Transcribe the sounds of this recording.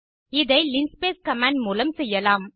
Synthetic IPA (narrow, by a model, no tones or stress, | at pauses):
ɪðɐɪlɪnspeːskɐmãːɳɖ̚muːlɐmsɛjːɐlaːm